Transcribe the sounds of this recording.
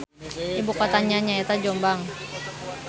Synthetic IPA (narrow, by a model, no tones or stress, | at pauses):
ibukɔt̪aɲaɲaɛt̪ad͡ʒɔmbaŋ